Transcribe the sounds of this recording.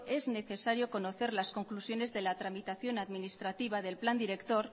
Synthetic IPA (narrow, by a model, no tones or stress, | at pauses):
e̞zne̞θe̞saɾjo̞ko̞no̞θe̞ɾlasko̞ŋklusjo̞ne̞zðe̞lat̪ɾamit̪aθjo̞naðminist̪ɾat̪iβ̞aðe̞lpland̪iɾe̞kt̪o̞ɾ